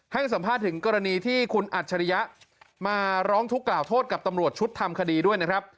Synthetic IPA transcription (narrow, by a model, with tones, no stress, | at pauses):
ha˥˩ŋsa˩˦mpʰaː˥˩t̪ʰːɯ˩˦ŋkɔː˧ɾa˧niː˧t̪ʰiː˥˩kʰu˧nʔaː˨˩t̪̚t͡ɕʰa˧ɾa˦˧ja˦˥ʔ | maː˧ɾɔː˦˥ŋt̪ʰu˦˥kːlaː˨˩wt̪ʰoː˥˩t̪̚ka˨˩t̪a˧mɾu˨˩ət̪̚t͡ɕʰu˦˥t̪ʰːa˧mkʰa˧diː˧du˥˩əjna˦˥kʰɾa˦˥p̚